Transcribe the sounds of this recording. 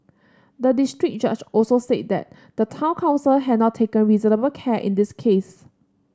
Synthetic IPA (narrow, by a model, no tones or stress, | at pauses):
dədistɹik̚d͡ʒad͡ʒɔlsoset̚dɛ̰t̚ | d̥ətʰãʊ̃nkʰãʊ̃nsəlɦɛdnɔttʰːekə̃nɹizənəbəlkʰɛʔɪ̰̃ndiskʰes